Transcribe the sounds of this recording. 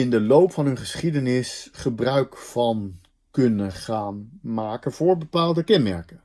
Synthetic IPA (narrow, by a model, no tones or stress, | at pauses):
ɪndəlowpfɑnɦɵnχəsχidənɪsχəbrœɥkfɑn | kɵnəχaːnmaːkənv̥ʊːɹbəpaːlˠdəkɛnmɛ̰ɹkən